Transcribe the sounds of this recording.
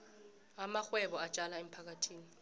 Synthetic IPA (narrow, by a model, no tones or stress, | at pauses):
amaxwɛɓɔat͡ʃʼalaem̩pʰak̬ʼatʰiːni